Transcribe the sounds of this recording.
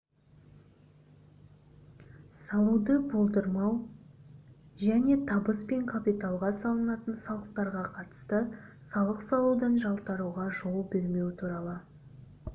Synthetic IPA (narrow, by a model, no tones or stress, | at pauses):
sɑlˠud̪əbolˠd̪əɾmɑw | ʒæne̞t̪ʰɑbəspe̞ŋkʰapit̪alˠʁɑsɑlˠənɑt̪ənsɑlˠəq̚t̪ɑɾʁɑqʰɑt̪ə̥st̪əsɑlˠəqsɑlˠud̪ənʒɑlˠt̪ɑɾuʁɑʒo̞lˠbeɾme̞wɪt̪ʰuɾɑlˠə